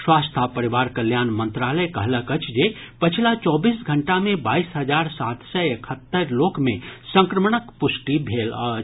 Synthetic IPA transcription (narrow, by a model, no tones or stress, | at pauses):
swaːst̪ʰapəɾiʋaːɾkəljaːnmə̃nt̪ɾaːləjkəɦləkət͡ʃd͡ʒe | pət͡ʃʰlat͡ʃɔːbiːsɡʱəɳʈamẽbaːisɦəd͡ʒaːɾsaːt̪səekʰət̪ːəɾloːkmẽsə̃ŋkɾəmɳəkpʊsʈibʱeːlə